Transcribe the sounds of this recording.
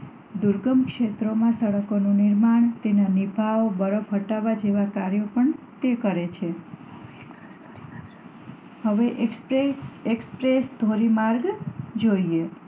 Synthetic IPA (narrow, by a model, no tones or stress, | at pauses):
d̪uɾɡəmkʃet̪ɾomãsəɽəkonũnɪɾmaɳ̃t̪enanibʱaʋbəɾəbɦəʈaʋad͡ʒeʋakaɾjopəɳ | t̪ekəɾet͡ʃʰe | həʋeʔ | ekspɾesd̪ʱoɾimaɾɡd͡ʒoie